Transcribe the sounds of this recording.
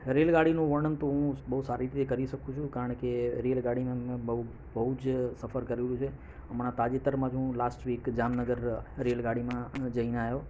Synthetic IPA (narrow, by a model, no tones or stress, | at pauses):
ɾelɡaɽinũʋəɳənt̪oɦũɓəɦusaɾit̪ʰiekəɾiʃəkũt͡ʃʰũkaɾəɳkeɾelɡaɽimẽmẽbəu | bəɦud͡ʒsəfʰəɾkəɾilũt͡ʃʰe | əmɳat̪ad͡ʒet̪əɾmãd͡ʒũlaːsʈʋiːkd͡ʒaːmnəɡəɾɾelɡaɽ̤imãd͡ʒəinajo